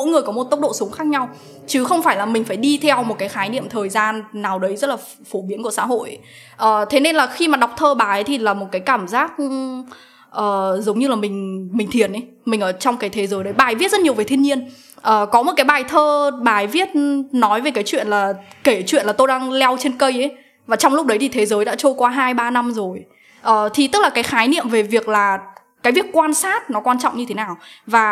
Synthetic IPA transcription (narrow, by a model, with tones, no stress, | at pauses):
mo̰˧˥jŋɨ˨˩əjkɔ˨˦mo˨˩t̚t̪k͡p̚ɗo̰˧˨sʊ˨˦ŋ͡mxaː˦˥k̚ɲa˧w | t͡ɕɨ˨˦xə˧wŋ͡mfaː˧˩jlaː˨˩mï˩ŋ̟faː˧˩jɗi˧t̪ʰɛ˧wmo˨˩t̚kaː˨˦jxaː˨˦jnḭ˧˨əmt̪ʰəː˨˩jzaː˧nːaː˨˩wɗə˨˦jzə˦˥t̚laː˨˩ | fo˧˩ɓi˨˦ku˧˩əsa̰ː˧˥ɦo̰˧˨j | ʔəː˨˩t̪ʰe˨˦ne˧nlaː˨˩xi˧maː˨˩ɗa˨˩wk͡p̚t̪ʰəː˧ɓaː˨˩jə˨˦jt̪ʰi˨˩laː˨˩mo˨˩t̚kaː˨˦jkaː˧˩mzaː˦˥k̚ | ʔəː˨˩zə˨˦wŋ͡mɲɨ˧laː˨˩mï˨˩ŋ̟mï˨˩ŋ̟t̪ʰi˨˩ənʔə˨˦j | mï˨˩ŋ̟ʔəː˧˩t͡ɕɔ˧wŋ͡mkaː˨˦jt̪ʰe˨˦zəː˨˦jɗə˨˦jɓaː˨˩jvi˦˥t̚zə˦˥t̚ɲi˩əve˨˩t̪ʰi˧əɲi˧ən | ʔəː˨˩kɔ˨˦m˨˩t̚kaː˨˦jɓaː˨˩jt̪ʰəː˧ɓaː˨˩jvi˦˥ət̚nɔ˨˦jve˨˩kaː˨˦jt͡ɕwḭ˧˨ənlaː˨˩ke˧˩t͡ɕwḭ˧˨ənlaː˨˩t̪o˧jɗaː˧ŋlɛ˧wt͡ɕe˧nkə˧jʔə˨˦j | vaː˨˩t͡ɕɔ˧wŋ͡mlʊ˦˥k͡p̚ɗə˨˦jt̪ʰi˨˩t̪ʰe˨˦zəː˨˦jɗa̰ː˧˥t͡ɕo˧jkwaː˧ɦaː˧jɓaː˧na˧mzo˨˩j | ʔəː˨˩t̪ʰi˨˩t̪ɨ˦˥k̚laː˨˩kaː˨˦jxaː˨˦jnḭ˧˨əmve˨˩vi˨˩ək̚laː˨˩ | kaː˨˦jvi˨˩əkːwaː˧nsaː˦˥t̚nɔ˨˦kwaː˧nt͡ɕɔ̰˧˨wŋ͡mɲɨ˧e˨˦naː˨˩wvaː˨˩